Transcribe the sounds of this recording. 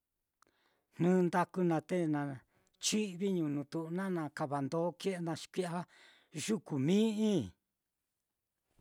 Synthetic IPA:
n̥nũ˦nd̪a˧ku˧nã˧t̪e˦nã˨ | t͡ʃi˦βi˦ɲũ˨˧nũ˧t̪u˧ʔnã˦nã˧ka˧βa˨nd̪o˨˦ke˦ʔe˧nã˧ʃi̥˧kʷi˦a˦ | ʒu˦ku˨mĩ˦ĩ˦

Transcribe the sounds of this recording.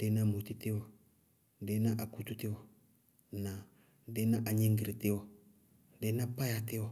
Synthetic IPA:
dɛ˦na˦˨mo˨t̪i˦t̪ɪ˦wɔ˨ | dɛ˨˦na˦ʔa˨ku˦t̪u˦t̪ɪ˦wɔ˨ | na˨ | de˦na˦ʔa˨ɲe˦ŋɡɾi˨tɪ˦wɔ˨ | dɛ˦na˦pa˦ja˨t̪ɪ˦wɔ˨

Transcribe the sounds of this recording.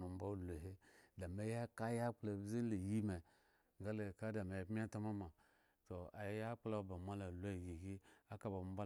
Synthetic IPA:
u˨m̩˦ba˦u˦lo˨ɦe˦da˨me˨ja˦ka˦ja˦k͡pla˨bzi˦n˦le˨ji˦me˨ | ɡa˦le˨ka˦da˨me˨jbmʲ˦a˦ta˦ma˦ma˨ | to˨a˨jja˦k͡pla˦ba˨ma˦la˨lu˦a˦˨ji˨ɡi˦a˦ka˦ba˨m˦ba˦

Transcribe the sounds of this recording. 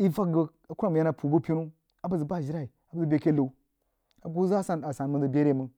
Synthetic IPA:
i˦va˦k̚ɡə˦ | a˨ku˦ɾa˦m˨ja˦na˨pʰu˨bu˦pʲi˦nu˦ | a˨bə˦zə˨ba˦˨ʒi˦ɾa˦i˨ | a˨bə˦zə˦bʲe˦ke˦lo˨u˦ | a˨˦ɡu˦za˦sa˨na˨sa˨n˨mə˦ndə˨bʲe˦ɾe˦mə˦ŋ

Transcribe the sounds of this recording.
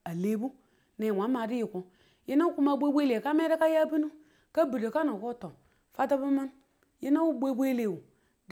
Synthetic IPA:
a˨le˦bu˦ | ne˨wʷa˨˦ma˨di˦ji˨ku˨ | je˦na˦ku˦ma˦bʷe˦bʷe˦le˨ka˦me˦ɾe˦ka˦ja˦bi˦nu˦ | ka˦bi˨de˨ka˦no˨ko˦to˨ | fa˦ta˦bu˦ma˦n | je˦na˦u˦bʷe˦be˦le˨wu˨ | d

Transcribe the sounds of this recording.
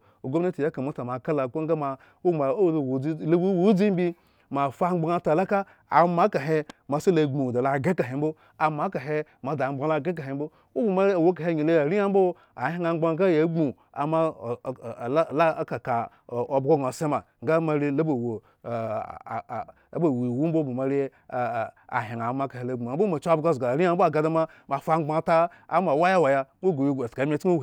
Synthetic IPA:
o˨ɡo˦a˦ti˨ja˦ka˨ma˦ta˨ma˨ka˦la˨ko˦ŋ˦a˦ma˨ | u˦˨a˨˦˨wo˨˦lbu˦wo˦d͡zi˦m˦bi˦ | ma˨fa˦ŋ͡mɡ͡ba˦ŋa˦ta˨la˦ka˦ | a̰˨ma˨˦ka˨ɦe˦ma˨se˦la˨ɡ͡bu˨da˨la˨ɡe˦ka˨ɦe˨m̩˦bo˦ | a˨ma˨˦ka˨ɦe˦ma˨da˨ŋ͡mɡ͡ba˨˦la˦˨ɡe˦k̬a˨ɦe˨m˦bo˦ | u˦ba˨ma˦˨wo˨˦k̬a˨e˦˨ɲi˨le˦a˨ɾi˦ja˦m˦bo˦ | a˨˦ŋa˦ŋ͡mɡ͡ba˦ɡa˦ja˨˦ɡ͡bu˨ | a̰˨ma˦˨˦la˦ka˨ka˨ | o˨˦bɡo˦ɡa˨se˦ma˨ŋ˦ɡa˦ma˨ɾi˦la˦bo˨wo˨˦ | bo˨wi˨wu˦bo˦bu˨ma˨ɾi˦˨ | a̰˨ɦe˨ŋa˨˦ma˨˦ka˨he˨˦la˨˦ɡ͡bu˨a˨m˦bo˦ma˨t͡ʃa˦bɡa˦˨zɡa˨ɾi˦a˦m̩bo˦a˨ɡa˦da˦ma˦ | ma˨fa˦ŋ͡mɡ͡ba˦ta˦ | a˨˦ma˨wa˦ja˦wa˨ja˦o˦ɡo˨ji˦˨a˨tka˨˦mʲ˦e˦a˦˨

